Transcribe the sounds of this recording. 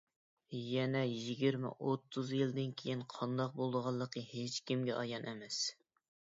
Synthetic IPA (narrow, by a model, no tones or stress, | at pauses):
jɛnɛjiɡʲiɾmɪ̰ʔot̪ʰːuzjild̪ɪnkʲʰejinqʰɑnd̪ɑq̚bolˠd̪əʁɑlˠːəqəhet͡ʃkʲimɡʲɛʔɑjɑnʔɛmɛs